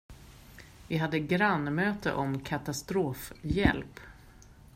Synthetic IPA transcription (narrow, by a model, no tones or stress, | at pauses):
vɪɦad̪ːəɡɾanːmøːt̪ə̰ʔɔmkʰat̪ast̪ɾoːfjɛ̰lp